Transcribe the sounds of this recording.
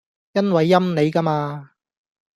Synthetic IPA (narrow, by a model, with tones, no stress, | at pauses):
jɐ˥nwɐ˨˧jːɐ˥mne˨˧jka˥maː˧